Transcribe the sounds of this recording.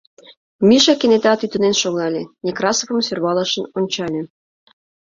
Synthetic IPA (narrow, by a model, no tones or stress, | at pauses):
miʃɑkenet̪ɑt̪yt̪ə̆nenʃoɣɑlʲenʲekrɑsofə̆msørβɑlɑʃə̆nonʲt͡ɕɑlʲe